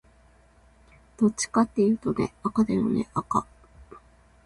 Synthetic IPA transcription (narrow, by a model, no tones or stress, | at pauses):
d̪̥o̞t͡ɕi̥kat̪ːe̞jɯ̟ːt̪o̞ne̞̰akad̪ajonḛʔaka